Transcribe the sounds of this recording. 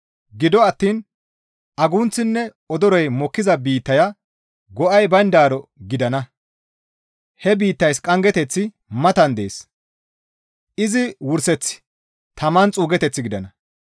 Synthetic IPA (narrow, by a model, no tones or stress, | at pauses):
ɡɪd̪ɔɐt̪ːiːn | ɐɡʊnt͡sːɪnːɛ | ɔd̪ɔɾɔjmɔkːɪzɐbiːt̪ːɐjɐ | ɡɔʔɐjbɐnd̪aːɾɔɡɪd̪ɐnɐ | hɛbiːt̪ːɐjskʼɐŋɡɛt̪ɛt͡sːɪ | mɐt̪ɐnd̪eːs | ʔɪzɪwʊɾsɛt͡sːɪ̥ | t̪ɐmɐnt͡sʼuːɡɛt̪ɛt͡sːɪɡɪd̪ɐnɐ